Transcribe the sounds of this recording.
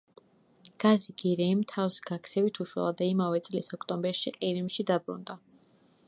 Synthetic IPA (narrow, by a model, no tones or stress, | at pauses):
ɡ̥aziɡiɾɛimt̪ʰafsɡakʰsʰɛvit̪ʰuʃwɛ̰lˠad̪aimavɛt̪sʼlisɔkʰt̪ʼɔmbɛɾʃiqʼiɾimʃid̪abɾṵnd̪a